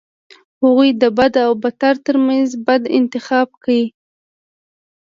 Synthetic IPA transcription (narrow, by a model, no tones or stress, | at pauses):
haɣujd̪əbad̪awbat̪aɾt̪əɾmanzbad̪ɪ̰nt̪ɪxɑb̚kawi